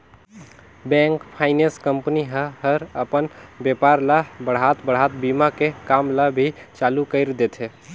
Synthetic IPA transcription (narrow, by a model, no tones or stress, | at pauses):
bɛ̃ŋkpʰaɪnẽskəmpniɦəɦəɾəpənbjepaɾlabəɽ̤ɦat̪bəɽ̤at̪bimakekamlabʱit͡ʃalukəɪɾd̪et̪ʰe